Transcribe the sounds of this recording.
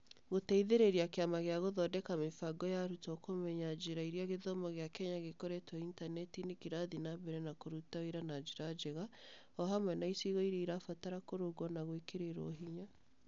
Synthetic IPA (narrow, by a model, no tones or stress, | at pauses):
ɣotɛiðeɾeɾiakeamaɣeaɣoðɔdɛkamefaɡɔjaɾutɔkomɛɲad͡ʒeɾaiɾiaɣeðɔmɔɣeakɛɲaɣekɔɾɛtwaintanɛtinekeɾaðinaβɛɾɛnakoɾutaiɾanad͡ʒeɾad͡ʒeɣa | ɔɦamwɛnaisiɣɔiɾeiɾafataɾakoɾoɡɔnaɣwekeɾeɾɔ̰ɦiɲa